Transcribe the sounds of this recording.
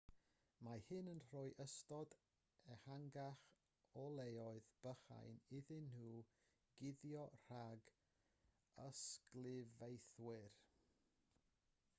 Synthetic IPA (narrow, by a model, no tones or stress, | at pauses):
mahɪnənr̥ɔːjʔəstɔd | ɛhaŋɡaχ | ɔlˠejɔɨðb̥əχa̰jnɪðɪnhuː | ɡ̥ɪðjɔr̥aɡ | əsklˠɪvejθwɪr